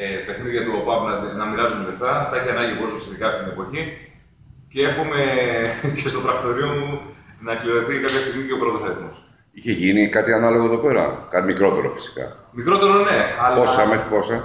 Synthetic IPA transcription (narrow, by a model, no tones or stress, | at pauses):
pe̞xniðijɐt̪upɐpnɐnɐmiɾɐzuneleft̪ɐt̪ɐiçiɐnɐɲɟipososçet̪ikɐft̪it̪inepo̞çi | ceexume̞cest̪ot̪ɾɐkt̪o̞ɾiomunɐklioðeθikɐpçɐst̪iɣmiceo̞pɾo̞t̪osɐɾit̪mos | içeʝinikɐt̪iɐnɐlo̞ɣoe̞ðo̞pe̞ɾɐ̰kɐt̪mikɾo̞t̪e̞ɾo̞̰fi̥si̥kɐ̰mikɾo̞t̪e̞ɾoneɐlosɐmeposɐ